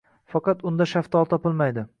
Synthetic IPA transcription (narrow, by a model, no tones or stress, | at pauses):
fɑqɑt̪ʊnd̪aʃaft̪ʰɒlˠt̪ʰɒpɪlˠmajd̪ɪ